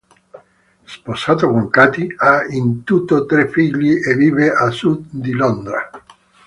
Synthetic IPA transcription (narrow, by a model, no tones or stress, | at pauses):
sposaːt̪okoŋkat̪iaint̪ut̪ːot̪ɾefːiʎːiʔeviːveʔasud̪d̪ilond̪ɾa̰